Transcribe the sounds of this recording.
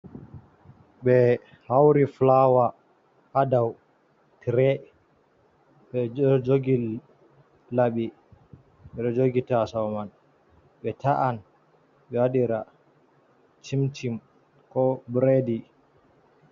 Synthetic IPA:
ɓɛ | hawɾiflawa | kadaw | tɾɛ | ɓɛd͡ʒoɡil | laɓi | ɓɛɾɛd͡ʒoɡitasawman | ɓɛtaʔan | ɓɛwaɗiɾa | t͡ʃimtim | kɔbɾedi

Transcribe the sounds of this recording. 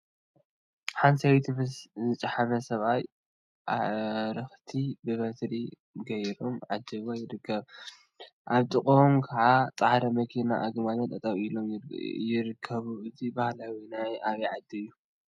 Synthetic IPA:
ħansɐwt̪ʰimɨszɨt͡ʃʼaħamɐsɐβaj | ʔaɾɨxt̪ʰibɨβɐt̪ɾi | ɡɐjɾomʕad̪ːɨβajɪɾɨkʰːɐβ | ʔaβt̪ʼɨkʼomkʰɐʕat͡sʼahɾɐmɐkʰinaʔaɡmalɐt̪ʼɐt̪ʼɐβilomjɪɾɨkʰːɐβuʔɨt̪ʰibahlawinajaβiʕad̪ijːu

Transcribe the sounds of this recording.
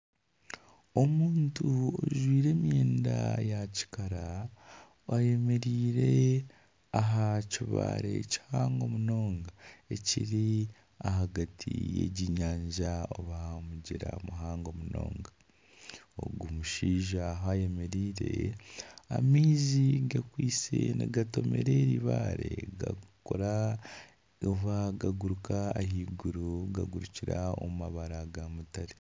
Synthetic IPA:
o̞muːntuoʒwiːɾe̞ːmjeːnda̰jaci̥kaɾa | waje̞me̞ɾiːɾe̞ | aɦaciβa̰ɾe̞̰ci̥haːŋɡo̞muno̞ːŋɡae̞ciɾi | ahaɡatʰḭjḛɟiɲaːɲʒaoβahamuɟiɾamuɦaːŋɡo̞muno̰ːŋɡa | o̰ɡumuʃiːʒaɦajemeɾiːɾe̞ | a̰miːziɡakwiːseneɡato̞me̞̰ɾe̞ɾiβaɾeɡa̰koɾa | oβaɡaɡuɾukaːhiːɡuɾuɡaɡuɾuciɾao̰mmaβaɾaɡamutaɾe

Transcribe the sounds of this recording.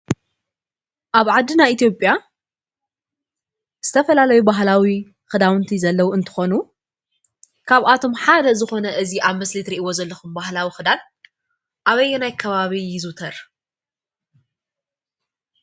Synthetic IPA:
ʔaβʕad̪ːɨnait̪ʰjo̞pʼja | z̥ɨt̪ʰɐfɐlalɐjubaɦlawi | xɨd̪awɨnt̪ʰizɐlːɐwuɨnt̪ʰɨ̥xo̞nu | kʰaβʔat̪ʰo̞mħad̪ɐzɨxo̞nɐʔɨziʔaβmɐslit̪ɾiʔiwo̞zɐlːɐxumbahlawixɨd̪al | ʔaβɐjːɛnajkʰɐβaβijɪzut̪ʰɐɾ

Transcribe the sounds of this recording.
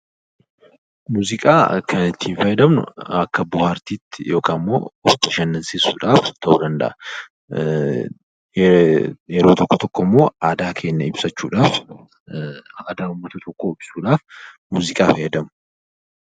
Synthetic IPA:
muːzɪkʼa̰ːkʰɐnɪt̪ːiːnfɐjɛd̪ɐmnʊ̰ɐkːɐbʊhaːɾt̪iːt̪ːɪjo̞ːkaːmːoːɔt̪ːɪʃɐnːɐnseːsːuːᶑaːft̪ʰɐʔuːd̪ɐnd̪ɐ̰ʔɐ | jɛɾo̞ːt̪ɔkːɔt̪ɔkːɔmːo̞ːaːd̪aːkʰe̞ːnːɐɪbsɐt͡ʃːuːᶑaːf | aːd̪aːʊmːɐt̪ɐt̪ɔkʰːoːɪb̥suːᶑaːf | muːzɪkʼaːfɐjɛd̪ɐmʊ

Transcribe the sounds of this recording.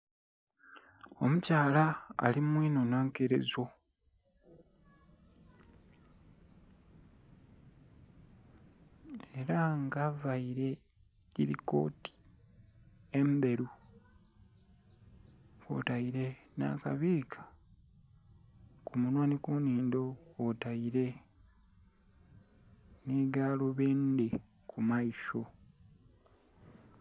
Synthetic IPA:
o̞̰mucaːla̰ːlimwiːno̞naːŋkeɾe̞̰zo̞ | e̞ɾaŋɡavaiɾe̞ | ɟiɾḭko̞̰ːti̥ | embe̞ɾu | ko̰ːtaiɾe̞na̰ka̰βiːkʰḁ | kumunwaːnikuniːndokotaiɾe | neːɡaːloβeːnde | kʰumaiʃo̞

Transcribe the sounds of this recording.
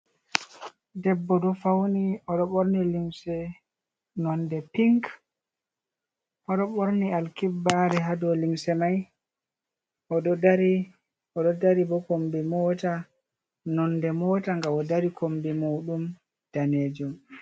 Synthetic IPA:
dɛbːɔdɔfawniɔɗɔɓoɾnilimsɛ | nɔndɛpiŋk | ʔɔɗɔɓoɾnialkibːaɾɛɦadɔlimsɛmaj | ʔɔɗɔdaɾi | ɔɗɔdaɾibɔkombimɔta | nɔndɛmɔːtaŋɡawɔdaɾikʰombimuːɗum | d̥aned͡ʒum

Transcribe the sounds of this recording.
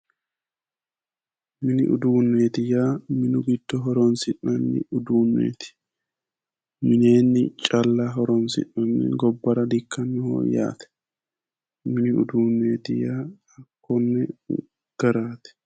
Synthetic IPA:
mɪnɪʔʊ̰d̪uːnːeːt̪ɪjaːmɪnʊɡɪd̪̥ːɔɦɔɾɔnsɪnːɐnːɪ̰ʊd̪uːnːḛːt̪ɪ̥ | mɪneːnːɪt͡ʃʼɐlːaɦɔɾɔnsɪ̰nːɐnːɛ̰ɡɔbːɐɾɐd̪ɪkʰːɐnːɛho̰ːja̰ːt̪ɛ̥ | mɪnɪʊ̰d̪uːnːeːt̪ɪjaː | ɐkːɔnːɛ | ɡ̥ɐɾaːt̪ɛ̥

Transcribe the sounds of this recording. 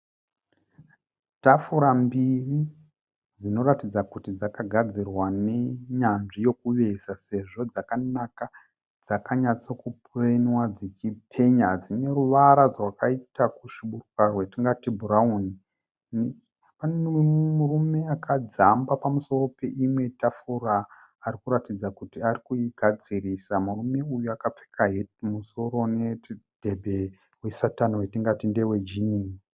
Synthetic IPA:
tafuɾambiri | d͡zino̞ratid͡zakutid͡zakaɡʱad͡zirwane̞ɲanʐijo̞kuʋe̞sase̞ʐo̞d͡zakanaka | d͡zakaɲat͡so̞kupurenwad͡zet͡ʃipʰe̞ɲad͡zine̞ɾuʋaɾad͡zrwakaitakuʂiɓurukarwe̞tiŋɡatibʱuɾauni | n | panemurume̞akʰad͡zambapamuso̞ɾo̞pe̞ʔimwe̞tafuraː | ɾikuɾatid͡zakutiarikuiɡʱad͡ziriːsamurume̞ujuakap͡fe̥kʰaɦemuso̞ɾo̞ne̞d̥ʱe̞bʱe̞ | wesatanowetiŋɡatinde̞we̞d͡ʒiniːi

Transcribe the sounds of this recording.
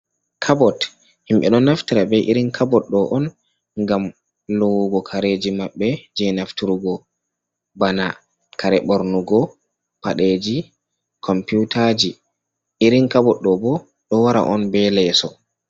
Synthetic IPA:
kʰabɔt | himɓɛɗɔnaftiɾabɛʔiɾinkʰabɔtɗɔʔɔn | ŋɡam | lɔwɡɔkʰaɾed͡ʒimaɓːɛd͡ʒɛnaftiɾuɡɔ | bana | kʰaɾɛɓɔɾnuɡɔ | paɗed͡ʒi | kʰɔmputʰad͡ʒi | ʔiɾiŋkabɔɗːɔbɔ | ɗɔwaɾa̰ʔɔnbɛlɛsɔ

